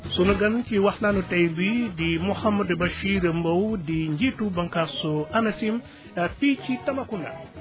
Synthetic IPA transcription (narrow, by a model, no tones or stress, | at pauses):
sonuɡant͡ʃiwaxnanutajbidimuhamːadbaʃiɾembawdiɲd͡ʒitubaŋkasoanasim | afit͡ʃitamakunda̰